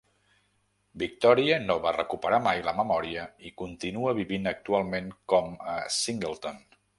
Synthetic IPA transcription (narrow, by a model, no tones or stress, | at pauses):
bik̚t̪ɔɾiənoβarəkupəɾamajləməmɔɾiəikunt̪inuəβiβinək̚t̪ualˠmenkɔməsiŋɡəlˠt̪on